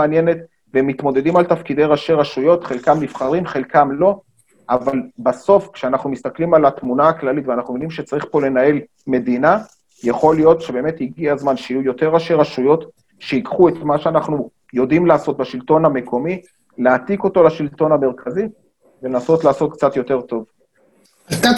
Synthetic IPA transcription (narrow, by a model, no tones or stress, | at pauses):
anje̞ne̞t̪ | veemːit̪mo̞d̪e̞dimalt̪afkid̪ejʁaʃe̞ʁaʃujo̞t̪χelkamnifχaʁimχe̞lkamlo̞ | ʔavalbaso̞fkʃeanaχnumist̪aklimalat̪munaːklalit̪veanaχnumjvinimʃet͡saʁiχpo̞le̞nae̞l | me̞d̪ina | jaχo̞ljo̞t̪ʃebe̞ːmet̪iɡiazmanʃijujo̞te̞ʁaʃeʁaʃujo̞t | ʃeikχuet̪maʃeanaχnu | jo̞dimlaaso̞t̪̚baʃilto̞name̞kʰo̞mi | leat̪iko̞to̞laʃilto̞name̞ʁkʰazi | velenaso̞tlaːso̞t̚kt͡sat̪jo̞t̪e̞ʁt̪o̞v | ta